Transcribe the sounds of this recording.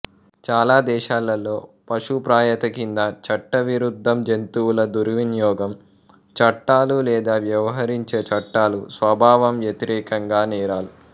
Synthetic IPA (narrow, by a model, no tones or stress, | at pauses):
t͡ʃaːlaːd̪ɛːʃaːlɐlo̞ːpɐʂupɾaːjɐt̪ɐkind̪ɐt͡ʃɐʈːɐʋiɾud̪ʱːɐmd͡ʒent̪uːwulɐd̪uɾʋinjɔːɡɐm | t͡ʃɐʈːaːlulɛːd̪aːʋjɐʋɐɦɐɾiɲt͡ʃeːt͡ʃɐʈːaːlusʋɐbʱaːʋɐmʋjɐt̪iɾɛːkɐŋɡaːnɛːɾaːlu